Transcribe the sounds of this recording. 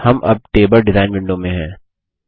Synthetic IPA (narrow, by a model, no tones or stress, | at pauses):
hɐmʔɐ̰b̚ʈeːbəɾɖɪzaːɪnʋɪ̃ɳɖomẽɦɛ̃ː